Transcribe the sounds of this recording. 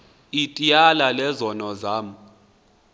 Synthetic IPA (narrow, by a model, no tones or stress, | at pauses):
itʼijalalɛzɔnɔzaːmu